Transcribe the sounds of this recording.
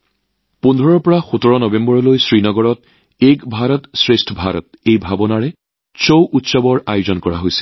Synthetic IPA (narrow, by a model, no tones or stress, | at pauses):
pundʱɔɹɔɹpɔɹaxutɔɹɔnɔbẽmbɔɹɔlojsɹinɔɡɔɹɔt̚ | ekbʱaɹɔtsɹestʰɔbʱaɾɔ̰t̚ejbʱabɔnaɹɛ | sowʔutsɔbɔɹajʊzɔnkɔɹa̰ɦojsɛ̥